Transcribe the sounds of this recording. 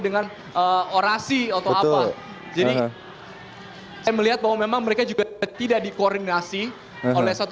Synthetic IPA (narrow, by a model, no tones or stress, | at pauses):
dəŋan | əoɾasiat̪awaa | d͡ʒadi | sajaməliɦat̪̚bawamemaŋməɾekad͡ʒuɡat̪idaʔdikordinasi | olɛhsat̪u